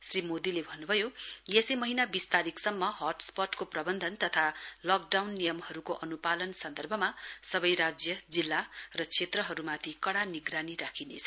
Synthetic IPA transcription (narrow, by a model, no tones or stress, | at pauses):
srimod̪ilebʱʌnːubʱʌjojesʌmʌɦinabist̪aɾiksʌmːʌɦʌrʈspʌʈkoprʌbʌnd̪ʱʌnt̪ʌt̪ʰalʌk̚ɖawnːijʌmhʌɾukoʔʌnupalʌnsʌnd̪ʱʌrbʱʌmasʌbʌjɾad͡zjʌd͡zilːarʌt͡sʰet̪rʌɦʌɾumat̪ʰikʌɽaniɡraniɾakʰinḛt͡sʰʌ